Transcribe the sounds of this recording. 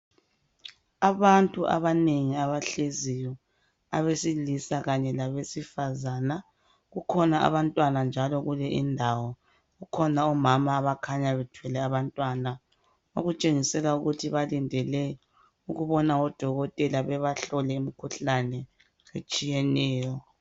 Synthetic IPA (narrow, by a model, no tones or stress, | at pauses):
aβantʼuʔa̰βaneŋiaβaɬezijɔ | a̰βesilisaɣaɲɛlaβesifazaːna | ɣukʰɔnaa̰βantʼwanand͡ʒʱalɔɣulɛʔḭndʱawɔ | ɣukʰɔnaɔmamaːβakʰaɲaβɛtʰwɛlɛaβantʼwana | o̰ɣut͡ʃʼeŋisɛlauɣutʰiβalindʱɛlɛ | uɣuβɔnaɔd̥ʱɔɣɔtʼɛlaβɛβaɬɔlɛimikʰuɬanɛ | et͡ʃʼijɛnɛːjɔ